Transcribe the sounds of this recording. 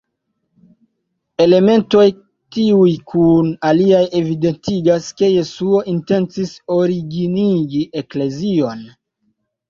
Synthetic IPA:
e̞le̞me̞nto̞j | tiujkʰunaliaje̞vide̞ntiɡaske̞je̞suo̞ʔinte̞nt͡siso̞ɾiɡiniɡiʔe̞kle̞zio̞n

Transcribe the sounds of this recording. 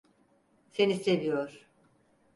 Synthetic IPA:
se̞nise̞vijoɾ̥

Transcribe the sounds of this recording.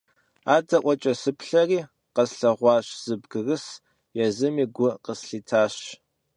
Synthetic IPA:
aːdɐʔʷɔt͡ʃʼɐsɨpɬɐriː | qɐsɬɐʁʷɑːɕz̥ɨbɡɨrɨs | jɛzɨmiːɡʷʊqəsɬiːtʰaːɕ

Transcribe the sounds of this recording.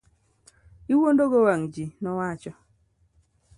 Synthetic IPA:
iwondoɡowaŋd͡ʒinɔwat͡ʃɔ

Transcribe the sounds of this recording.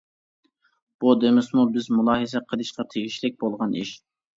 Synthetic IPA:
b̥ud̪emɪsmubɪzmulˠɑːɦizɛqʰəlˠɨʃqɑt̪ʰeɡʲiʃlɪk̚ʲbolˠʁɑniʃ

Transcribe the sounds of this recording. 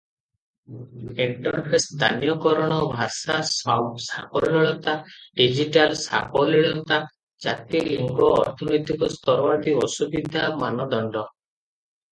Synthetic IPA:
iɳʈɔnpʰest̪ʰa̰nijɔkɔɾɔɽ̃ɔbʱasassa̰pɔlɔɭɔt̪aɖid͡ʒiʈalsa̰pɔliɭɔt̪a | d͡ʒat̪iliŋɡɔ̰ːɾt̪ʰɔnɔjt̪ikɔst̪ʰɔɾɔwat̪iɔsubid̪ʱamanɔd̪ɔɳɖɔ

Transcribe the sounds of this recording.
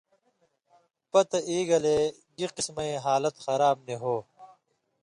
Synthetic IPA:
pɐt̪ɐʔiːɡɐleː | ɡiqismɐẽːɦaːlɐt̪xɐɾaːb̚neɦoː

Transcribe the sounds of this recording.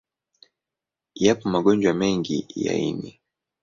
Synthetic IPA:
japɔmaɠɔɲd͡ʒwamɛŋɡḭja̰ḭnḭ

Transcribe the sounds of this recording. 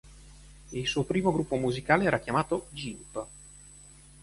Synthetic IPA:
ilsuːopɾiːmoɡɾupːomuzikaːleɛːɾakjamaːt̪od͡ʒimp

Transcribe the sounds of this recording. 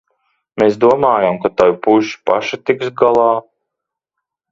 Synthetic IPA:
meːs̬d̪uɔmaːjamkat̪ajpuʒi̥paʃat̪iksɡalˠɑː

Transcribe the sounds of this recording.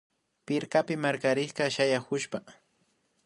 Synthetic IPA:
pɪɾkapɪmaɾkaɾɪχkɑʃajakʊʃpa

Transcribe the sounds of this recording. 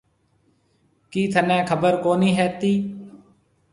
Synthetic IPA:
kiːt̪ʰənɛ̃ːkʰəbəɾkoːnĩːɦɛːt̪iː

